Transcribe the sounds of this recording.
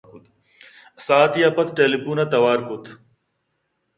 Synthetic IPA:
saːt̪ijapɐt̪ʈeːlipuːnɐt̪ɐwaːɾkut̪ʰ

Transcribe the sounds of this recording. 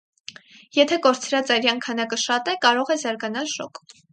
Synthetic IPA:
jɛt̪ʰɛkɔɾt͡sʰɾɑt͡sɑjɾjɑnkʰɑnɑkəʃɑt̪ɛkɑɾɔʁɛzɑɾɡɑnɑlʃɔ̰k

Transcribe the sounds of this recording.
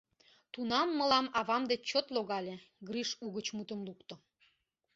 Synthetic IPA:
t̪unɑmːə̆lɑmɑβɑmd̪et͡ɕːot̪loɣɑlʲeɡriʃuɣət͡ɕmut̪əmlukt̪o

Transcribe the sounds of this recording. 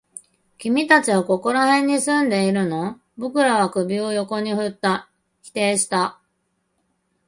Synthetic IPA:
kʲimʲit̪at͡ɕiβako̞ko̞ɾahẽ̞ɲ̟ːisɨ̃nd̪e̞iɾɯ̟no̞ | bo̞kɯ̟ɾaβakɯ̟bʲio̞jo̞ko̞ɲ̟iɸɯ̟t̪ːa | çʲi̥t̪e̞ːɕi̥t̪a

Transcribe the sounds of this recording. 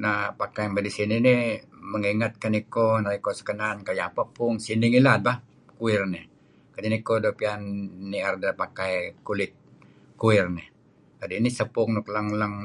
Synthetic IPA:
napakajmbadisininiməŋiŋat̪̚kanikonaikosə̥kənankajapapʊŋsiniŋilat̪̚ba | kuɪrnɪ | kadinikodopianːiardapakajkulɪt̪̚ | kuɪrnɪ | kadiinisəpʊŋnʊkləŋləŋ

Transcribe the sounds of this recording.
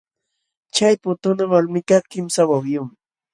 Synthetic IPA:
t͡ʃajpʊt̪ʊnawalmɪkat̪kɪmsawawjʊm

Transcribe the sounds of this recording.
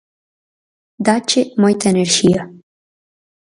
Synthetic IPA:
d̪at͡ʃemojt̪əenerʃija

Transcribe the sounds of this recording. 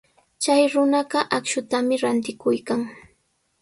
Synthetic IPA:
t͡ʃajɾʊnɑɢɑʔakʃʊt̪amɪɾant̪ɪkʊjkaŋ

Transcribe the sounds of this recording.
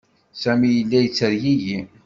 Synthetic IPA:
sæmijəlːæjət͡sːəɾjiʝi

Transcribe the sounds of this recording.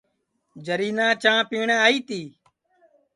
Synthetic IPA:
d͡ʒəɾiːnãːt͡ʃãːpiːɳeaːiːt̪iː

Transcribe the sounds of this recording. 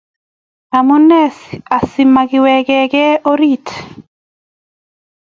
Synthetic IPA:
amunːɛsasimːaɡiwɛɡɛɡɛoɾit̪

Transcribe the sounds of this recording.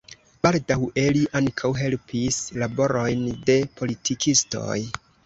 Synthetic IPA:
b̥aldawe̞liʔaŋkʰawɦe̞lpʰislabo̞ɾo̞jnde̞pʰo̞litʰikʰisto̞̰j

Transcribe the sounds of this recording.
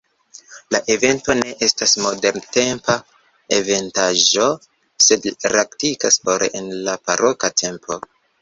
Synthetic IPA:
laʔe̞ve̞nto̞ne̞ʔe̞stasmo̞de̞ɾnte̞mpa | e̞ve̞ntaʒo̞ | se̞dliɾaktikaspoɾḛʔenlapaɾʔo̞katʰe̞mpʰo̞

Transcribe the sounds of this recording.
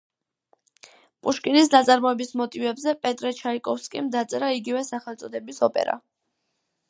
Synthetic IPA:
pʼuʃkʼinisnat̪sʼaɾmɔɛbismɔt̪ʼivɛbzɛpʼɛt̪ʼɾɛt͡ʃʰaikʼɔfskʼimd̪at̪sʼɛɾaiɡivɛsaχɛlˠt̪sʼɔd̪ɛbisɔpʼɛ̰ɾa̰

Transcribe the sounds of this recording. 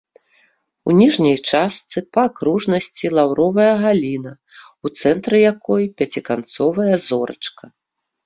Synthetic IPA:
unʲiʐnʲɐjt͡ʂastt̪sɨpɐkɾuʐnɐsʲt͡sʲilˠawɾɔvɐjɐɣalʲinɐ | ut̪sɛnt̪ɾɨjakɔjpʲat͡sʲikant̪sɔvɐjɐzɔɾɐ̰t͡ʂkɐ

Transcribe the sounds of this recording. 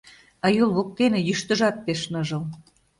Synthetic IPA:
ɑjulˠβok̚t̪enejyʃt̪ə̆ʒɑt̪̚peʃnɤʒɤ̆l

